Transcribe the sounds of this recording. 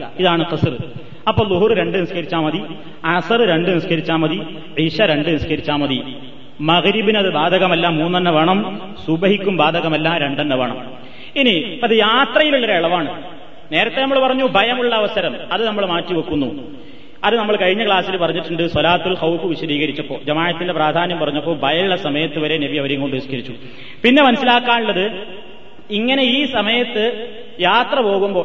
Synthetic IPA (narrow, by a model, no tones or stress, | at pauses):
ɐiðaːɳɨqɨsrɨ | ɐpːoːðuɦurɨɾe̞ɳɖɨniskɐɾit͡ɕːaːmɐði | ɐsɐrɨɾe̞ɳɖɨniskɐɾit͡ɕːaːmɐði | ʕiːɕɐɾe̞ɳɖɨniskɐɾit͡ɕːaːmɐði | mɐɣɾibinɐðɨbaːd̪ʱɐɣɐmɐlːaːmːuːnːɐnːɐʋɐɳɐm | subɐɦikʲːumbaːd̪ʱɐɣɐmɐlːaːɾe̞ɳɖɐnːɐʋɐɳɐ̰m | iniɐðɨjaːt̪rɐjiluɭːɐɾeɭɐʋaːɳɨ | ne̞ːɾɐt̪ːenɐmːɐɭpɐrɐɲːubʱɐjɐmuɭːɐːʋɐsɐɾɐmɐðɨnɐmːɐɭmaːtːiʋɐkːunːu | ɐðɨnɐmːɐɭkɐɻiɲːɐkɭaːsilpɐrɐɲːiʈːuɳɖɨsɐlaːt̪ːilxɐwfɨʋiɕɐd̪iːɣɐɾit͡ɕːɐpːo̞̰ːd͡ʑɐmaːjɐt̪ːindepraːd̪ʱaːnɐmpɐrɐɲːɐpːo̞ːɭbʱɐjɐɭːɐsɐmɐjɐt̪ːɨʋɐɾe̞nebiɐʋɐɾeŋkoɳɖɨʋisi̥kɐɾit͡ɕːu | pinːe̞mɐnɐsːilaːkːaːnuɭːɐðɨ | iŋːɐne̞iːsɐmɐjɐt̪ːɨ | jaːt̪rɐpo̞ːɣumbo̞ː